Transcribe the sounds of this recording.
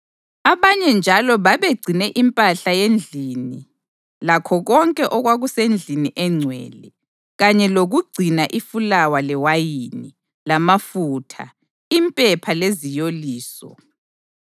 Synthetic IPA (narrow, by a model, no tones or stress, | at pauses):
aβaɲɛnd͡ʒʱalɔβaβeɡ͡ǀʱinɛʔimpʼaɬajend͡ɮʱini | lakʰɔɣɔŋkʼɛʔɔɣwaɣusend͡ɮʱiniʔɛŋ͡ǀʱwɛ̰ːlɛ | ɣaɲɛloɣuɡ͡ǀʱinaʔifulawalɛwajini | lamafutʰa̰ | impʼɛpʰalezijoliːsɔ̰